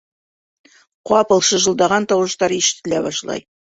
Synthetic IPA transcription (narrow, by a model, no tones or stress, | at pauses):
qwɑpɤlˠʃɤʒəlˠd̪ɑʁɑnt̪ɑwʃt̪ɑɾiʃt̪lʲæβɑʃlˠɑ̰j